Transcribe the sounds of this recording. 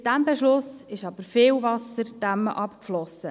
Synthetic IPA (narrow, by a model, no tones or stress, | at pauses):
d̥æmbɛʃlʊsɪʃɑb̥əɾfɪːlvɑsəɾd̥æməʔɑpkflɔsə